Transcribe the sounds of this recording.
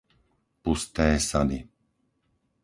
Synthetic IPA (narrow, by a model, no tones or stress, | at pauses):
pust̪ɛːsad̪i